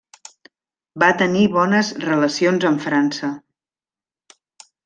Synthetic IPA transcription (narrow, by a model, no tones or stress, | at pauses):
bat̪əniβɔnəzrələsionzəɱfɾansə